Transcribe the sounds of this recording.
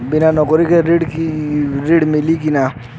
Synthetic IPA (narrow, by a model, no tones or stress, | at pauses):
binanɔkɔɾikeɾeɽkiɾeɽmilik̬ina